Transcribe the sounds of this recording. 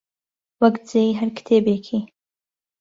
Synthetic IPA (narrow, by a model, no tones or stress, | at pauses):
wɐkd͡zeiɦɐɾkt̪ʰeːbekʰi